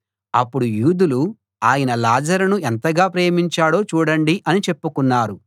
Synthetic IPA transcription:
ɐpːuɽujuːd̪ulu | aːjɐnɐlaːd͡ʒɐɾɐnuent̪ɐɡaːpɾe̞ːmiɲt͡ʃaːɽo̞ːt͡ʃuːɽɐɳɖiʔɐnit͡ʃe̞pːukunːaːɾu

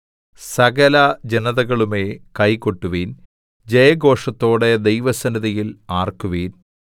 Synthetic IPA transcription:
sɐɡɐlɐd͡ʑenɐðɐɣɐɭume̞ːkɐjko̞ʈːuʋiːn | d͡ʑejɐɡo̞ːʂɐt̪ːo̞ːɽe̞d̪ejʋɐsɐniðijilaːrkuʋiːn

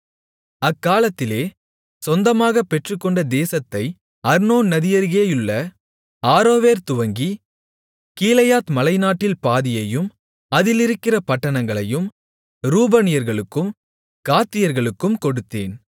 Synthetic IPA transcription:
ɐkːaːlɐt̪ːɪleː | sɔnd̪ɐmaːɣɐpːɛʈrɯkːɔɳɖɐd̪eːsɐt̪ːɐɪ | ɐɾnoːnɐðɪjɐɾɣeːjʊɭːɐ | aːɾoːʋeːɾt̪ʊʋɐŋɡi | kiːlɐjaːt̪mɐlɐɪnaːʈːɪlpaːðɪjɐjɯm | ɐðɪlɪɾɯkːɪrɐpɐʈːɐɳɐŋɡɐɭɐjɯm | ɾuːbɐnɪjɐɾɣɐɭɯkːɯm | kaːt̪ːɪjɐɾɣɐɭɯkːɯmkɔɽɯt̪ːeːn

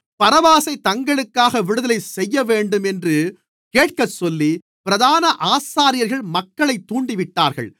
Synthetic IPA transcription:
pɐɾɐʋaːsɐɪt̪ɐŋɡɐɭɯkːaːɣɐʋɪɽɯðɐlɐɪsɛjːɐʋeːɳɖɯmɛndrɯ | keːʈ̚kɐsɔlːi | pɪɾɐðaːnɐʔaːsaːɾɪjɐɾɣɐɭmɐkːɐɭɐɪt̪ːuːɳɖɪʋɪʈːaːɾɣɐ̰ɭ

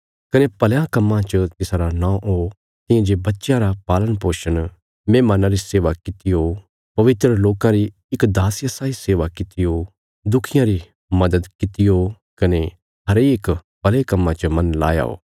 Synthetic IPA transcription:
kɐnepɐljãkɐmːãt͡ʃət̪ɪsaɾanãːʔo | t̪ɪ̃jãd͡ʒebɐtːʃjãɾapaːlənpoːʃən | mẽːmaːnãɾiseːʋakɪt̪ijo | pɐʋɪt̪ɾəloːkãɾi | ɪkd̪aːsjɐsaːiseːʋakɪt̪ijo | d̪ʊkʰɪjãɾi | mɐd̪əd̪kɪt̪ɪjo | kɐne | ɦɐɾeːkpɐlekɐmːãt͡ʃəmɐnla̰ːja̰ːo̰ː

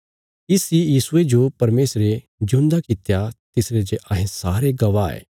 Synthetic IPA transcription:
ɪsijiːsʊed͡ʒopɐɾmeːsɾe | d͡ʒũnd̪akɪt̪jat̪ɪsɾed͡ʒeʔɐɦẽsaːɾeɡɐʋaɛ̰ː

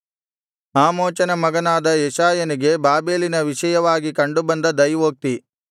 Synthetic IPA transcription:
aːmoːt͡ʃɐnɐmɐɡɐnaːd̪ɐjɛʃaːjɐniɡe̞baːbe̞ːlinɐʋiʃɐjɐʋaːɡikɐɳɖubɐnd̪ɐd̪ɐjʋoːk̚t̪i

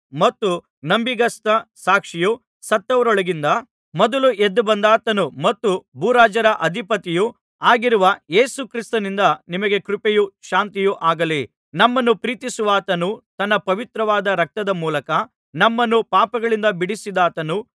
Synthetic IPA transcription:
mɐt̪ːu | nɐmbiɡɐst̪ɐsaːkʂiju | sɐt̪ːɐʋɐɾɔɭɐɡind̪ɐ | mɔd̪ɐluʔed̪ːubɐnd̪aːt̪ɐnumɐt̪ːubuːɾaːd͡ʒɐɾɐʔɐd̪ʱipɐt̪iju | aːɡiɾuʋɐe̞ːsukɾist̪ɐnind̪ɐnimɐɡe̞kɾupejuʃaːnt̪ijuʔaːɡɐli | nɐmːɐnːupɾiːt̪isuʋaːt̪ɐnut̪ɐnːɐpɐʋit̪ɾɐʋaːd̪ɐɾɐk̚t̪ɐd̪ɐmuːlɐkɐ | nɐmːɐnːupaːpɐɡɐɭind̪ɐbiɽisid̪aːt̪ɐnu

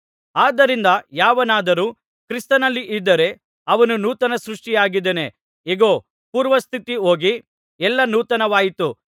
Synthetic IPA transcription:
aːd̪ɐɾind̪ɐjaːʋɐnaːd̪ɐɾuː | kɾist̪ɐnɐlːiʔid̪ːɐɾe̞ | ɐʋɐnunuːt̪ɐnɐsɾuʂʈijaːɡid̪ene̞ | iɡoː | puːɾʋɐst̪ʰit̪io̞ːɡi | ɛlːɐnuːt̪ɐnɐʋaːjit̪u

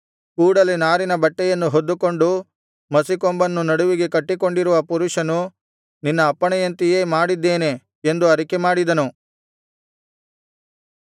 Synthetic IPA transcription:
kuːɽɐlinaːɾinɐbɐʈːɛjɐnːuɦod̪ːuko̞ɳɖu | mɐsikombɐnːunɐɽuʋiɡe̞kɐʈːiko̞ɳɖiɾuʋɐpuɾuʂɐnu | ninːɐːpːɐɳɛjɐnt̪ijeːmaːɽid̪ːeːne̞ | end̪uɐɾikemaːɽid̪ɐnu

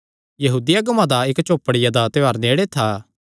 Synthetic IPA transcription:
jɐɦuːd̪ɪjaɡɐmãd̪aɪkt͡ʃoːpːəɽɪjad̪at̪eaːɾneːɽet̪ʰaː

